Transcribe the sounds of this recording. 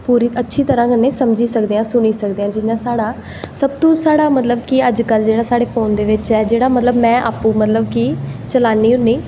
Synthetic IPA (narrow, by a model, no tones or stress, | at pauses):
puːɾiːʔətːʃʰiːt̪əɾãːkənːeːsəmd͡ʒiːsəkd̪eːãːsʊɽ̃iːsəkd̪eːãːd͡ʒɪnãːsaːɽaː | səb̚t̪õːsaːɽaːmət̪ləbkɪəd͡ʒkəld͡ʒeːɽaːsaːɽeːpʰoːnd̪eːʋɪt͡ʃɛːd͡ʒeːɽaːmət̪ləbmɛ̃ːʔa̰ːpũːmət̪ləb̚kit͡ʃəlaːniːɦʊnːiː